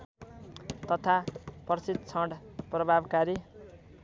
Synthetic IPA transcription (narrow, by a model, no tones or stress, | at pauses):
t̪ʌt̪ʰapʌrsid̪̚t͡sʰʌ̃ɳɽprʌbʱabkaɾi